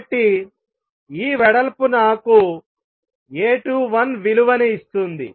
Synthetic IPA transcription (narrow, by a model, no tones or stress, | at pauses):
ʈːi | iːʋɛɽɐlɐpunaːku | eːʈuːʋɐnʋiluʋɐniist̪und̪ḭ